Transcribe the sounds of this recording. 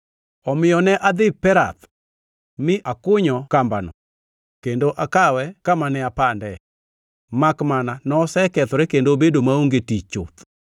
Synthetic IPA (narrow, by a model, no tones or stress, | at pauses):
ɔmɪjɔnɛʔad̪ɪpɛɾa̰t̪ | mɪʔakʊɲɔkambanɔ̰ | kendoʔakawɛkamanɛapandɛ | makmananɔsɛkɛt̪ɔɾekendobedomaoŋɡetit͡ʃo̰t̪